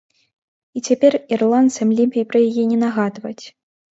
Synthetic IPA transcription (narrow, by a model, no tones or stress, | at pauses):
it͡sʲapʲɛrirlˠant̪sɐmlʲimʲpʲijpɾɐjajɛnʲɛnaɣad̪vɐt͡sʲ